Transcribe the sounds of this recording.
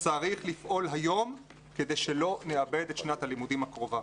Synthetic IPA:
t͡saʁiχlifʔo̞lɦajo̞m | ke̞d̪ejʃelo̞neabe̞d̪etʃnathalimudimhakʁo̞va

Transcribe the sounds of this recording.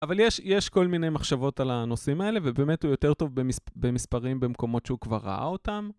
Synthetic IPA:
avaljeʃjeʃko̞lmine̞jmaχʃavo̞talano̞simae̞le̞vebe̞ːme̞thujo̞te̞ʁto̞vbemisbe̞mispaʁimbe̞mko̞mo̞tʃeukvaʁːa̰ʔa̰o̞tam

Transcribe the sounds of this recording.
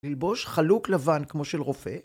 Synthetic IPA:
lilbo̞ʃχaluklavankmo̞ʃelʁo̞fe̞

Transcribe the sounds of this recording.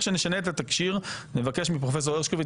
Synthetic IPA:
ʃeneʃaneːt̪at̪akʃiʁne̞vake̞ʃmipʁo̞fes̬o̞eʁʃkovi

